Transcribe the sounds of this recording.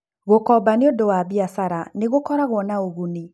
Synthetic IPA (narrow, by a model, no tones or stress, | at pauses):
ɣokɔbaneodowaβiasaɾaneɣokɔɾaɣwɔnaoɣuni